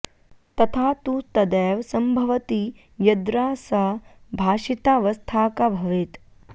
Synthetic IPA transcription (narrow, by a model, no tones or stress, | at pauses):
t̪ɐt̪ʰaːt̪ut̪ɐd̪eːʋsɐmbʱɐʋɐt̪i | jɐd̪ɾaːsɐbʱaːʂit̪aːʋɐst̪ʰaːkɐbʱɐʋit̪